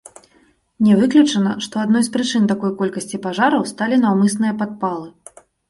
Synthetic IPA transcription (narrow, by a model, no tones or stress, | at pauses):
nʲɛvɨklʲut͡ʂɐnɐʂt̪ɔad̪nɔjspɾɨt͡ʂɨnt̪akɔjkɔlʲkɐsʲt͡sʲipaʐaɾɐwst̪alʲinawmɨsnɨjɐpat̪̚palˠɨ